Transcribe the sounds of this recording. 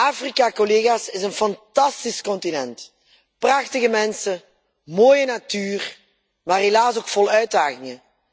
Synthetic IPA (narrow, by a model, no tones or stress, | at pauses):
ʔaːfrikakɔleːɣaːsɪzənfɑntɑstiskɔntinɛnt | prɑxtəɣəmɛnsə | moːjənatyːr | maːrɦelaːsoːkfɔlˠœɥdaːɣɪŋə